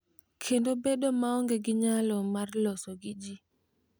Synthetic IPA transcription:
kʰɛndɔbɛɗɔmaɔŋɡɛɡiɲalɔmaɾlɔsoɡid͡ʒi

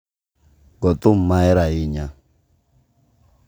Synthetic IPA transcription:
ɡɔt̪um̩maɛɾaiɲa

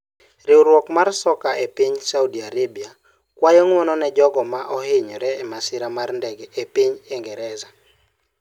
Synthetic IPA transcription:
ɾɪwɾwɔkmarsɔkaʔepiɲsaudiaɾebia | kwajɔŋwɔnɔnɛd͡ʒɔɡɔmaʔɔhɪɲɔɾɛːmasɪɾamarndɛɡɛʔepiɲeŋɡɛɾɛza

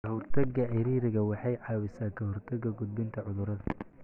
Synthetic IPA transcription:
kɐhɔrt̪ʰɐɡɐɪɾiːɾɪɣɐwɑħɑjʕɑːwɪsaːkʰɐɦɔrt̪ʰɐɡɐɡʊd̪̚bɪnt̪ʰɐʕʊðʊɾɐðɐ

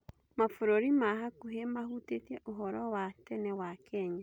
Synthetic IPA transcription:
mafoɾoɾimaɦakuɦemahutetiɛʔoɦɔɾɔwatɛnɛwakɛɲa

